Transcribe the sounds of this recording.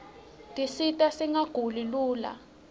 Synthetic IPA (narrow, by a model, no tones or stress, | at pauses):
tʼisitʼasiŋaɡ̥ʱuliluːla̰